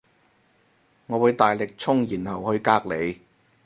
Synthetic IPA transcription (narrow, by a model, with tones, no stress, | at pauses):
ŋɔː˨˧wuː˨˧jt̪aː˨jlɪ˨k̚t͡sʰʊ˥ŋjiː˨˩nhɐ˨˩whɵ˧ɥkaː˧k̚le˨˧j